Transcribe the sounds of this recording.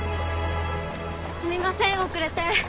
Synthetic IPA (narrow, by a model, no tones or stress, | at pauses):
sɨmʲimasẽ̞ɰ̃okɯ̟ɾe̞t̪e